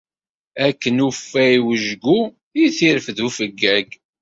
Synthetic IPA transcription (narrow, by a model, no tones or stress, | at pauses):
ækːənufːæiwəʒɡu | jiθiɾəfðufəɡːæɡ